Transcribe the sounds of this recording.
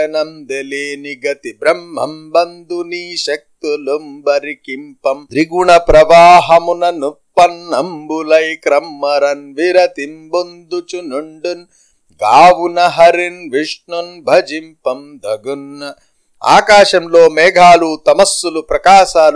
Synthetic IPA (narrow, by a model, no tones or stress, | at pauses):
ɐnɐmd̪eleːniɡɐt̪ibɾɐm̤ːɐ̰mbɐnd̪uniːʃɐk̚t̪ulumbɐɾikimpɐmd̪ɾiɡuɳɐpɾɐʋaːɦɐmunɐnupːɐnːɐmbulɐjkɾɐmːɐɾɐnʋiɾɐt̪imbund̪ut͡ʃunuɳɖun | ɡaːʋunɐɦɐɾinʋiʂɳunbʱɐd͡ʒimpɐmd̪ʱɐɡunːɐ | a̰ːkaːʃɐmloːmeːɡʱaːluːt̪ɐmɐsːulupɾɐkaːʃaː